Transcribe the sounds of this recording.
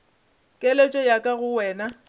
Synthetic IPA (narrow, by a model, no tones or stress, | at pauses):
kʼelet͡ʃʼɔjakʼaɣʊwɛːna